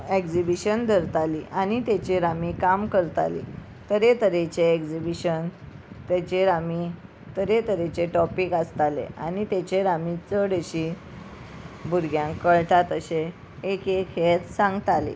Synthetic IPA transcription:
ekd͡zibiɕənd̪ʱəɾt̪aliʔanit̪et͡ɕeɾamikamkəɾt̪a̰lḭ | t̪əɾet̪əɾet͡ɕeekd͡zibiɕən | t̪jat͡ɕeɾami | t̪əɾet̪əɾet͡ɕeʈɔpikəst̪alḛa̰nit̪et͡ɕeɾamit͡səɽeɕi | bʱuɾɡʱjãŋkːəɭʈat̪əɕeː | keket̪sãŋɡt̪alḛ

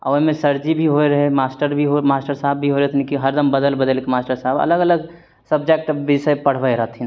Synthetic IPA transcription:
a̰ʋoɦmẽsəɾd͡ʒibʱiɦoeɾəɦɛmasʈəɾbʱiɦomasʈəɾsaɦbʱːiɦoɾɛt̪ʰnikiɦəɾd̪əmbəd̪əlbəd̪əlkemasʈəɾsaɦbə̰ləɡələɡ | səb̚d͡ʒek̚ʈbɪsəjpəɽ̤bəjɾəɦt̪ʰin

